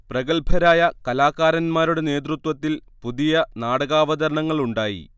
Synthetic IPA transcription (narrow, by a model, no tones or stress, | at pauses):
prɐɣɐɭpʰɐɾaːjɐkɐlaːkːaːɾɐnmaːɾuɽe̞ne̞ːt̪̬rut̪wɐt̪ːilpuðijɐnaːɽɐɣaːʋɐd̪ɐɾɐɳɐŋːɐɭuɳɖaːjḭ